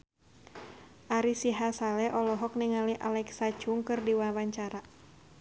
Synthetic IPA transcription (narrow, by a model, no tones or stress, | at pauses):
ʔaɾisiɦasalɛʔɔlɔɦɔk̚niŋaliʔa̰lɛksat͡ʃuŋkɨrdiwawaɲt͡ʃaɾa